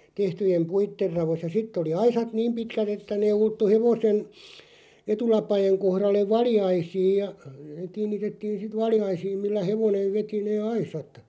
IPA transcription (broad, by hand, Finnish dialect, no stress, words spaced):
tehtyjem puitːer rɑʋos jɑ sitː oli ɑisɑt niːm pitkæt etːæ neː ultːu heʋosen etulɑpɑjeŋ kohrɑlːeʋ̆ ʋɑljɑisiːj jɑ kiːnˑitetːiːn̞ sit ʋɑljɑisiːm milːæ heʋoneʋ ʋeti neː ɑisɑt